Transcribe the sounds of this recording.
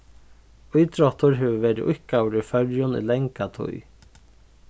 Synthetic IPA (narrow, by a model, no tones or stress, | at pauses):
ujt̪ɾɔht̪ʊɾɦɛːvəvɛːɾɪʔʊhkawɾɪfœɾjʊnḭlɛŋkat̪ʰṵj